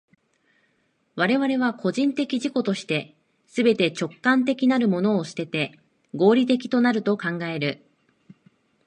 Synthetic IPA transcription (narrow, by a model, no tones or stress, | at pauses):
βaɾe̞β̞aɾe̞β̞ako̞ʑĩnt̪e̞kʲiʑiko̞t̪o̞ɕi̥t̪e̞ | sɨbe̞t̪e̞t͡ɕo̞kːãnt̪̬e̞kʲinaɾɯ̟mo̞no̞ːɕɨ̥t̪e̞t̪e̞ | ɡo̞ːɾʲit̪̬e̞k̬ʲi̥t̪o̞naɾɯ̟t̪o̞kãŋɡae̞ɾɯ̟